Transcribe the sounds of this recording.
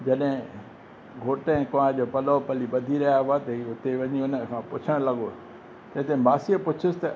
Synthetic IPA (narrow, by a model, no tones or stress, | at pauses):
d͡ʑɐɗɦɪ̃ | ɡʱoːʈəɪ̃kɐʋãʄoːpɐlɔpɐliɓɐd̪ʱiɾɐjaɦʊat̪ɐɦiʊt̪eʋɐɲiʊnəkʰãːpʊt͡ɕʰəɽ̃lɐɠo | t̪ɐ̃ɦɪ̃t̪emaːsiəpʊt͡ɕʰɪsɪ̥t̪ɐ